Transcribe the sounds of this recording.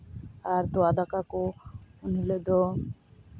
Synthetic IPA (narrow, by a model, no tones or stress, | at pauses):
aɾt̪oad̪akakooniled̪ɔ